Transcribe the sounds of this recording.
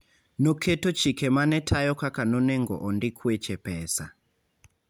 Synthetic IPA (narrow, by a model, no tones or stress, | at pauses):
nɔkʰetɔt͡ʃikɛmanɛtʰajɔkakanɔnɛŋɡɔ̰ʔɔndikʰuɛt͡ʃɛpɛːsa